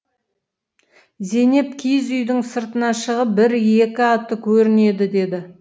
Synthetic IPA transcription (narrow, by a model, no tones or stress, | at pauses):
ze̞ne̞pkʲʰijzʏjd̪ɪŋsəɾt̪ənɑʃəʁəp̚bɪɾe̞kʲɪɑt̪ːəkʲʰɵɾɪne̞d̪ɪd̪e̞d̪ɪ